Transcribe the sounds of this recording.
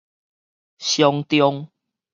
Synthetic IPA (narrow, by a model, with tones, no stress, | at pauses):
ɕjɔ˧ŋt̪jɔ˧ŋ